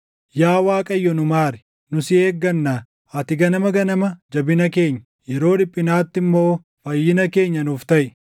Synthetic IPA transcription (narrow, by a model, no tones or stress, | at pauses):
jaːwaːkʼɐjːɔnʊmaːɾɛ̥ | nʊsɪe̞ːɡːɐnːaː | ɐt̪ɪɡɐnɐmɐɡɐnɐmɐd͡ʒɐbɪnɐke̞ːɲːɐ̥ | jɛɾo̞ːᶑɪpʼːɪnaːt̪ːɪmːoː | fɐjːɪnɐke̞ːɲːɐnʊft̪ɐʔɪ